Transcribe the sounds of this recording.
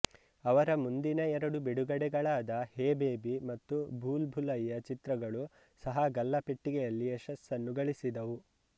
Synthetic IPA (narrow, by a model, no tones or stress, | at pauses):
ɐʋɐɾɐmund̪inɐɛɾɐɽubiɽuɡɐɽɛɡɐɭaːd̪ɐheːbeːbimɐt̪ːubʱuːlbʱulɐjːɐt͡ʃit̪ɾɐɡɐɭu | sɐɦɐɡɐlːɐpeʈːiɡɛjɐlːiɛʃɐsːɐnːuɡɐɭisid̪ɐʋu